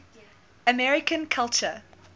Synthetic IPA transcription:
əmɛɹɪkə̃nkʰalˠt͡ʃə

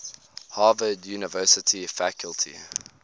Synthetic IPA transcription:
hɑːvədjuːnəvɜːˑsətʰifækʰəlˠtʰḭ

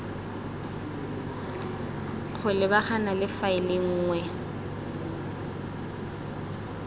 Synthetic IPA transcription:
k͡xʰʊlɪbaχanalɪfaɪlɪŋ̩ːŋwɛ

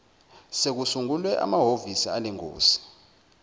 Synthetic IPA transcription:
sek̬usuŋulwɛʔa̰maɦovisialeŋo̰ːsi̥

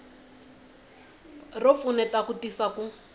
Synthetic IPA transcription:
rop̪funɛtakutisaku

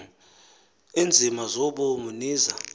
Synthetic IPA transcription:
ind͡zʱimazɔɓomuniːza

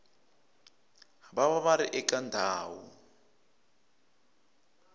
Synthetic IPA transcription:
baβaβaɾiʔɛkandʱaːwṵ

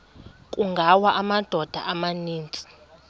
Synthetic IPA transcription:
kʼuŋɡʱawaʔamad̥ʱɔd̥ʱaʔamaniːnt͡sʼi̥

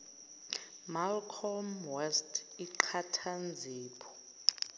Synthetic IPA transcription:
malkʰɔmwɛstʰiǃʰatʰand͡zʱiːpʰɔ̥

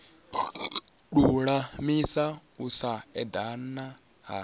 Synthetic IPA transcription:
ɗuɺamisausaɛd̪ana | ɦa̰

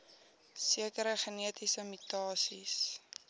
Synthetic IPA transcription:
siəkəɾəχəniətisəmytɑːsis

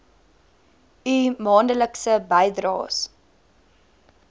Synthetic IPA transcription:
ymɑːndələksəbɛjdrɑ̰ːs

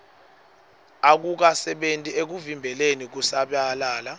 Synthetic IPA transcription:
ak̬uk̬asɛɓentʼiek̬uvimbʱɛlenik̬usaɓjalaːla

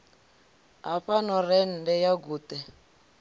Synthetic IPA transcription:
ɦaɸanɔrɛndɛjaɡuːtɛ

